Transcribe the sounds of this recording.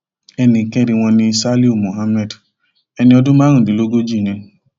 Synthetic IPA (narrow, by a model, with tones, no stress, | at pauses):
ɛ˧nĩ˨kɛ˦ɾi˧w̃ɔ̃˧nĩ˧sa˦li˦u˦˨mu˨ɦa˦mɛ˦˨d | ɛ˧nĩ˧ɔ˧dʊ̃˦mãː˦ɾũ˨di˨lo˦ɡo˦d͡ʒi˦˨nĩ˨˦n˦